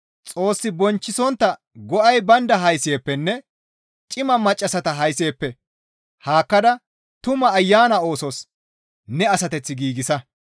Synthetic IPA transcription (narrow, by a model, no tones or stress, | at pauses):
t͡sʼo̞ːsːɪbɔnt͡ʃːɪsɔnt̪ːɐ | ɡɔʔɐjbɐnd̪ɐɦɐjse̞ːpːɛnːɛ | t͡ʃʼɪmɐmɐt͡ʃʼːɐsɐt̪ɐɦɐjse̞ːpːɛ | haːkːɐd̪ɐ | t̪ʊmɐːjːaːnɐo̞ːsɔs | nɛɐsɐt̪ɛt͡sːɪɡiːɡɪsɐ